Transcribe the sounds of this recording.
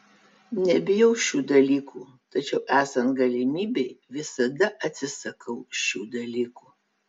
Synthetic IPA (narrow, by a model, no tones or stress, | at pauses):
nʲɛbʲɪjɛʊʃʲuːd̪ɐlʲiːkʰuː | t̪ɐt͡ʃʲɛʊʔæːsɐnt̪ɡɐlʲɪmʲiːbʲɛɪʋʲɪsɐd̪ɐʔɐt̪ʲsʲɪsɐkʰɐʊʃʲuːd̪ɐlʲiːkuː